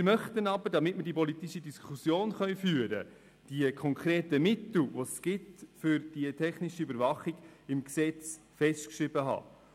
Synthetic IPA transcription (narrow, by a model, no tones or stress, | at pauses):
ɪmœχtənɑbəɾd̥ɑmɪtməɾdipɔlit̪iʃidiskʰusjoːnχœʏfyːəɾə̰ | d̥iəkʰɔŋkɾeːtəmɪtl̩ʋosɡ̥ɪtfʏɾd̥iətʰɛχnɪʃiøbəɾvɑχiɡ̥ɪmksɛt͡s | fɛstkʃɾɪb̥əɦɑ̰ː